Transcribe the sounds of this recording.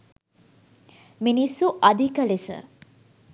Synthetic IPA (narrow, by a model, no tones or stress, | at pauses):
minisːuʔad̪ʱikəlesə̰